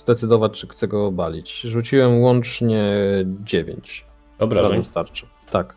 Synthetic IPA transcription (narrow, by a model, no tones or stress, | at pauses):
zd̪ɛt̪sɘd̪ɔvat͡ɕt͡ʂɘxt̪sɛɡɔbalʲit͡ɕʐut͡ɕiwɛmwɔnt͡ʂɲɛd͡ʑevʲjḛɲt͡ɕ | ɔbɾaɾazɛst̪aɾt͡ʂɨ̥ | t̪ak